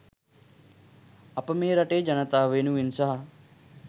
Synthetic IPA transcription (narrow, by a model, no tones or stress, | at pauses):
ɐpɐmeːɾɐʈeːd͡ʒɐnɐt̪aːʋeːnuʋinsɐɦɐ